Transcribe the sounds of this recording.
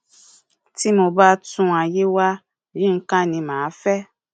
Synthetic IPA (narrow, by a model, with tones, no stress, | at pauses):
ti˦mo˧ba˦tũ˦a˧je˦wa˦˨ | ɾĩ˦ŋ̩˦kã˦˨nĩ˧mãː˨˦fɛ˦